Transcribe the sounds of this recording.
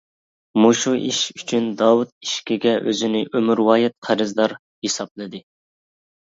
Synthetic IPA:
muʃuʔiʃyt͡ʃʰynd̪ɑwut̪̚iʃkʲiɡʲɛʔøzɪnɪʔømyɾwɑːjɛt̪̚qʰæɾɨzd̪ɑɾ | hesɑplˠɨd̪ɨ

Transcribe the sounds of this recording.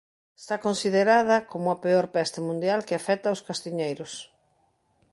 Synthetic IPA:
est̪akonsiðeɾað̞ɐkomʊɐpeoɾpɛst̪ɪmũnd̪jalkɪafɛt̪aoskast̪iɲejɾʊs

